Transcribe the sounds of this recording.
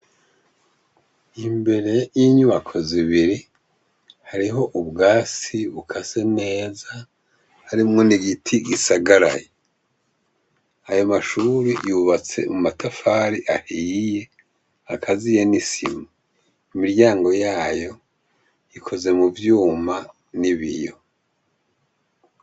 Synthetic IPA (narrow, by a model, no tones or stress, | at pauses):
imbe̞ɾe̞jiɲuβakʰo̞ziβiɾi | haɾiɦo̞ʔuβɡaːsiβukʰasene̞ːza | haɾimŋo̞niɡitʰiɡisaɡaɾa̰je | ajo̞maʃuɾijuβat͡se̞̰mumatʰafaːɾiʔahije̞ | akʰazije̞nisḭmu | imiɾjaːŋɡo̞jaːjo̞ | ikʰo̞ze̞muvjuːma | niβḭjo̞